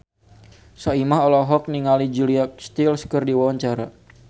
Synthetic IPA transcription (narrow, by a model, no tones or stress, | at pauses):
saimaɦɔlɔɦɔk̚niŋalid͡ʒuliakst̪ilskərdiwawaɲt͡ʃaɾa̰